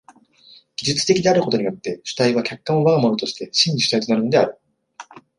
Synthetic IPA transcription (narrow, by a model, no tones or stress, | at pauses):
ɡ̥ʲiʑɨt͡sɨ̥t̪e̞kʲid̪e̞aɾɯ̟ko̞t̪o̞ɲ̟ijo̞t̪ːe̞ɕɨ̥t̪aiβ̞akʲakːãɰ̃oβaɡamo̞no̞t̪o̞ɕi̥t̪e̞ɕĩɲʲːiɕɨ̥ait̪onaɾɯ̟no̞d̪e̞aɾɯ̟